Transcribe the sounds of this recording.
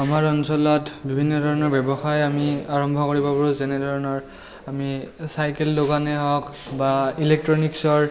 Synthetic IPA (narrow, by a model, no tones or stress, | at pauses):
amaɹɔnsɔlɔtbibʱinːɔdʱɔɹɔnɔɹbɛbɔxajamiaɹɔmbʱɔkoɹibɔbɔɹuzɛnɛdʱɔɹɔnɔɹ | amisajkɛlːoɡanɛɦɔk | bailek̚tɹɔniksɔɹ